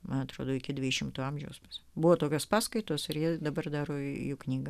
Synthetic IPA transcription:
mmɐnɐt̪ɾoːd̪oːɪkʲɪd̪ʲʋʲɪʃʲɪmt̪uːɐmʲʒʲɛʊspɐsʲbʊʋoːt̪oːkʲoːspɑːskɐɪt̪oːsɪrjiɛd̪ɐbɐrd̪ɑːɾoːjuːknʲiːɡɐ

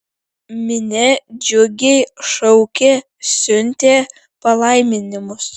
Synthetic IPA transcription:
mʲɪnʲɛd͡ʒʲʊɡʲejʃɐʊkʲe | sʲʊnʲt̪ʲeː | pɐlˠɐɪmʲɪnʲɪmʊs

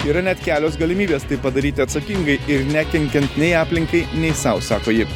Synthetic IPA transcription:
iːɾɐnʲɛt̪kʲæːlʲoːs̬ɡɐlʲɪmʲiːbʲeːst̪ɐɪpɐd̪ɐɾʲiːt̪ʲɪɐt̪sɐkʲɪŋɡɐɪɪɾnʲækʲɛŋʲkʲɛnt̪nʲɛɪɑːpʲlʲɪŋkɐɪnʲɛɪsɑʊsɑːkoːjɪ

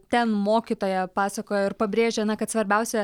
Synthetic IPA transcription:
t̪ʲɛnmoːkʲit̪oːjɛpɑːsɐkoːjoɪɾpɐbʲɾʲeːʒʲɛɐnɐkɐt̪sʋɐɾʲbʲɛʊsʲɛ

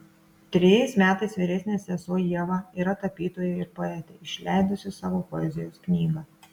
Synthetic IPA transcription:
t̪ʲɾʲɪjɛɪsmʲæːt̪ɐɪsʋʲiːɾʲɛsʲnʲesʲɛsoːjiɛʋɑiːɾɐt̪ɐpʲiːt̪oːjɛɪɾpoɛːt̪ʲɛɪʃʲlʲæɪd̪ʊsʲɪsɑːʋoːpɔɛzʲɪjoːsknʲiːɡɐ

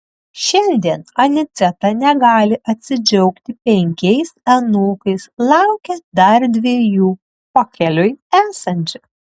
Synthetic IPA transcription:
ʃʲɛnʲd̪ʲiɛnɐnʲɪt̪sʲɛt̪ɑnʲɛɡɑːlʲɪʔɐt̪ʲsʲɪd͡ʒʲɛʊkt̪ʲɪpʲɛŋʲkʲɛɪsɛnoːkɐɪslˠɑʊkʲɛd̪ɐɾd̪ʲʋʲiɛjuː | pɔkʲɛlʲʊjæːsɐnʲt͡ʃʲʊ

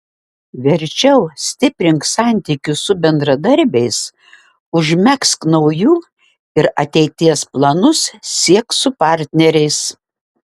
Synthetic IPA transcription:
ʋʲɛɾʲt͡ʃʲɛʊsʲt̪ʲɪpʲɾʲɪŋksɑˑnʲt̪ʲikʲʊsʊbʲɛnd̪ɾɐd̪ɐɾʲbʲɛɪs | ʊʒʲmʲɛksknɒʊjuː | ɪɾɐt̪ʲɛɪt̪ʲiɛsplˠɐnʊssʲiɛksʊpɑːˑɾʲt̪ʲnʲɛɾʲɛɪs

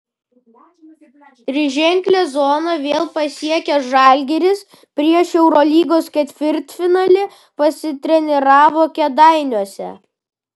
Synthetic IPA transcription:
t̪ʲɾʲɪʒʲɛŋʲklʲɛzɔːnɐʋʲeːlˠpɐsʲiɛkʲɛʒɑˑlʲɡʲɛɾʲɪs | pʲɾʲiɛʃɛʊɾɔːlʲiːɡoːskʲɛt̪ʲʋʲɪɾʲt̪ʲfʲɪnɐlʲɪ | pɐsʲɪt̪ʲɾʲɛnʲɛɾɑːʋoːkʲɛd̪ɑˑɪnʲuɔsʲɛ̰

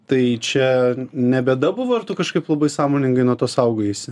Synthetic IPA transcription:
t̪ɐɪt͡ʃʲɛnʲɛbʲɛːd̪ɐbʊʋoːɐrt̪ukɐʃkɐɪplˠɐbɐɪsɑːmoːnʲɪŋɡɐɪnuɔt̪oːsɐʊɡoːjɛsʲɪ

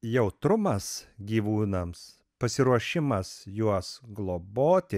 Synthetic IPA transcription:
jɛʊt̪ɾʊmɐsɡʲiːʋuːnɐms | pɐsʲɪɾuɔʃʲɪmɐsjuɔsɡlˠoːboːt̪ʲɪ

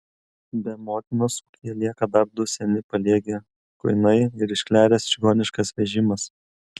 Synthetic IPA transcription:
bʲɛmoːt̪ʲɪnoːsukʲiɛlʲiɛkɐd̪ɐb̚d̪ʊsʲɛnʲɪpɐlʲiɛɡʲe | kʊɪnɐɪɪɾɪʃʲkʲlʲæːɾʲɛsʒ̥ʲɪɡoːnʲɪʃkɐsʋʲɛʒʲɪmɐs

